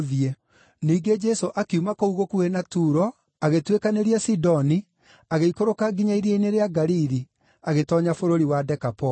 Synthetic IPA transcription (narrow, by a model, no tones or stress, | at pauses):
ðie | niːɡed͡ʒɛsoʔakiumakouɣokuenatuɾɔ | aɣetwekaneɾiasidɔni | aɣeikoɾokaɡiɲaiɾjeneɾeaɡaɾiɾi | aɣetɔɲafoɾoɾiwadɛkapɔ